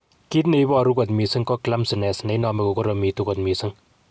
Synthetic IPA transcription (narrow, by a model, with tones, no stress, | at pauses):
ki˦t̪ne˨jbɔː˦˨ɾu˦kɔ˨t̪̬mi˨si˦ŋkɔ˦kla˦msɪ˨nɛ˨sne˨˦nɔ˨me˦ko˨kɔ˦ɾɔ˨mi˨t̪u˦kɔ˨t̪mi˨si˦ŋ